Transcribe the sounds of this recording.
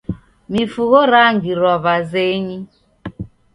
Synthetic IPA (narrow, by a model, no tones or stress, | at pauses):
mifuɣoɾaŋɡiɾɔβazeɲi